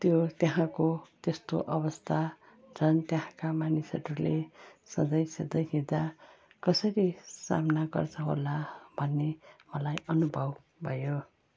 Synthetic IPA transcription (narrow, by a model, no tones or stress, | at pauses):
t̪jot̪jeɦãkot̪est̪oʔʌβʌst̪ʰa | d͡zʰʱʌnt̪jeɦãkamanisʌɾulesʌd͡zʌjsed̪ʌjɦĩd̪a | kʌsʌɾisa̰mnaɡʌ̰rt͡sʰʌɦo̰labʱʌnːemʌlajʌnubʱʌb | bʱʌjo